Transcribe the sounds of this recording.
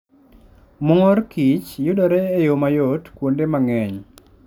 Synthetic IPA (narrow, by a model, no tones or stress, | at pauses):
mʊŋɔɾkit͡ʃjʊdɔɾɛːjomajotkwondemaŋɛɲ